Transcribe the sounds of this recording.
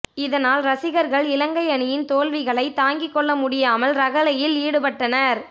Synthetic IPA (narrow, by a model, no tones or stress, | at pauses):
ɪðɐnaːlɾɐsɪɣɐɾɣɐɭɪlɐŋɡɐɪɐɳɪjɪnt̪oːlʋɪɣɐɭɐɪt̪aːŋɡɪkːɔɭːɐmʊɽɪjaːmɐlɾɐɣɐlɐjɪliːɽɯpɐʈːɐnɐɾ